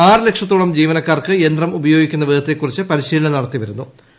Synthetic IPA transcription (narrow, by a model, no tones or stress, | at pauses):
aːrɨle̞kʂɐt̪ːuːɭɐmd͡ʑiːʋɐnɐkːaːrkɨend̪rɐmubɐjo̞ːɡikʲːunːɐʋidʱɐt̪ːekːurit͡ɕːɨpɐɾiɕiːɭɐɳɐnɐɽɐt̪ːiʋɐɾun̪ːu